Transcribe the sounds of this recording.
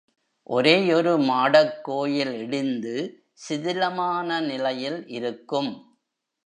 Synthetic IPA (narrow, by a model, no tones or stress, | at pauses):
ʔɔɾeːɔɾɯmaːɽɐkːoːjɪlɛɽɪnd̪ɯ | sɪðɪlɐmaːnɐnɪlɐjɪlʔɪɾɯkːɯm